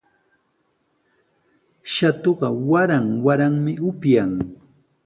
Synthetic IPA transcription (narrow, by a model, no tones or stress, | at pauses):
ʃat̪oɢɑwaɾaŋwaɾaŋmɪʊpjaŋ